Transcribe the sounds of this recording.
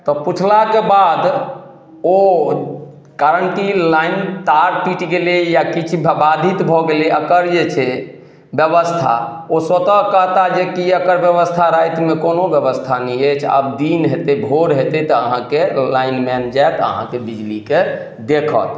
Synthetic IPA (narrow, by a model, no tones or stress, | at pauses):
t̪ɔput͡ʃʰlakebad̪ | o | kaɾənʈilaint̪aɾpiʈɡelejakit͡ʃʰbbad̪ʱit̪bʱɔɡeliəkəɾd͡ʒet͡ʃʰɛ | bjəbəst̪ʰa̰ | osət̪əkəɦt̪ad͡ʒekiəkəɾbjəβəst̪ʰaɾajt̪mekonobjəbəst̪ʰanɛet͡ʃʰə̰bd̪inɦet̪ebʱoɾɦet̪ɛt̪ɔəɦãkelainmɛnd͡ʒaet̪ə̰ɦã̰kebid͡ʒlike | d̪ekʰə̰t̪̚